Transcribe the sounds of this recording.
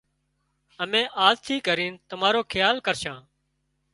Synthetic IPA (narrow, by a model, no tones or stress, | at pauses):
əmẽːʔaːzt̪ʰiːkəɾiːnt̪əmaːɾoːkʰɪjaːlkəɾʃãː